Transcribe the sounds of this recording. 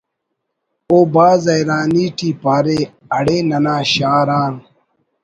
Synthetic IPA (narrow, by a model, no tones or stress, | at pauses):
oːbaːzɐjɾaːniːʈiːpaːɾeː | ɐɽeːnɐnaːɕaːɾaːn